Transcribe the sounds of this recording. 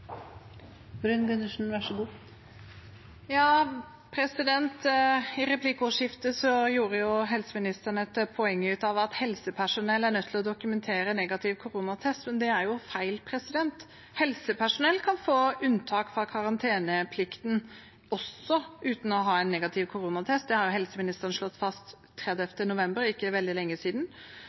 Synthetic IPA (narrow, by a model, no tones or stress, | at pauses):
bɾʉnɡʉnəʂn̩ʋæʂəɡuː | jɑː | pʰɾɛsɪd̪ɛnt̪ɪɾɛpʰlɪkːʊʂɪft̪əsɔjuːɾəjʊɦɛlsəmɪnɪst̪əɳɛt̪pʰɔɛŋːəʉːt̪ɑʋɑt̪hɛlsəpʰæʂʊnɛlːæɾɳœt̪ːʰɪlɔd̪ʊkʉmɛnt̪ʰeːɾənɛːɡɑt̪ʰɪʋkʰʊɾuːnɑt̪ʰɛst̪mɛnd̪ɛæɾjʊfæɪlpʰɾɛsɪd̪ɛnt̪ | hɛlsəpʰæʂʊnɛlːkʰɑnfoːʉnt̪ʰɑːkfɾɑkʰɑɾɑnt̪ʰeːnəpʰlɪkt̪n | ɔsɔʔʉːt̪n̩ɔɦɑːɛɪnːɛːɡɑt̪ʰɪʋkʰʊɾuːnɑt̪ʰɛst̪̚d̪ɛhɑɾjʊɦɛlsəmɪnɪst̪əɾənʂlɔt̪ːfɑst̪ʰː | ɾɛd̪ɛft̪ənʊʋɛmbəɾɪkːəʋɛld̪ɪlɛŋːəsiːd̪n̩